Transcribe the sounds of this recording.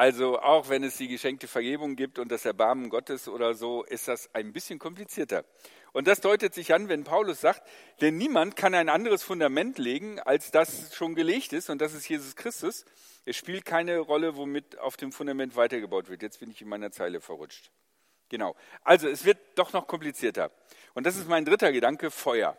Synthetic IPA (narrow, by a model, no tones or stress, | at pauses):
ʔalzoʔa̰ʊxv̥ɛnɛsd̥iːɡəʃɛŋk̚təfɛɐɡeːbʊŋɡiːp̚tʊnt̚d̥asɛɐbaɐmənɡɔtəsʔo̰ːɾɐzoːʔɪstd̥asaɪnbɪsçənkʰɔmplit͡siːɐtɐ̰ | ʔʊnt̚d̥asd̥ɔʏtətz̥ɪç̥anvɛnpʰaʊlʊsz̥aːkt | d̥ɛnːiːmantkʰanaɪnʔandəʁ̞əsfʊndamɛntleːɡŋ̩a̰lsd̥asʃoːnɡəleːçtɪstʊnt̚d̥as̬ɪstjeːzʊskʁ̥ɪstʊs | ʔɛsʃpiːlt̚kʰaɪnəʁɔləvomɪta̰ʊfd̥eːmfʊndamɛntv̥aɪtɐɡəbaʊtv̥ɪɐtjɛt͡stb̥ɪnɪçɪnmaɪnɐt͡saɪləfɛɐʁʊt͡ʃt | ɡ̥ənaʊʔalzoɛsv̥ɪɐt̚d̥ɔχnɔχkʰɔmplit͡siːɐtɐ̰ | ʔʊntd̥as̬ɪstmaɪndʁɪtɐɡədaŋkəfɔʏɐ̰